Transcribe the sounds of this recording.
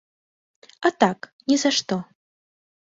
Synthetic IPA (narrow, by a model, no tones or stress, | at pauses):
at̪aknʲɛzaʂt̪ɔ